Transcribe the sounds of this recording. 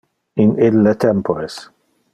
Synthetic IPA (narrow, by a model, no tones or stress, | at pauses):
ɪnɪlːet̪ʰɛmpɔɾɛs